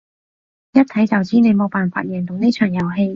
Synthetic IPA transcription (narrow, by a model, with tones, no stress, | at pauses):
jɐ˥t̚t̪ʰɐ˨˥jt͡sɐ˨wt͡siː˥ne˨˧jmo˨˧wpaː˨˩nfa̰ː˧˩t̚jɛː˨˩ŋt̪ʊ˨ŋne˥t͡ʃʰœː˨˩ŋjɐ˨˩wɦe˧j